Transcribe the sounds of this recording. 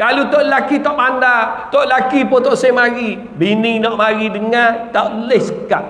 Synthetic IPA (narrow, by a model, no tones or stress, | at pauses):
kalut̪oʔlakit̪ɔʔpandat̪oʔlakipot̪oʔsemaɾi | bininɔʔmaɾidəŋat̪aʔlehsəka̰ʔ̚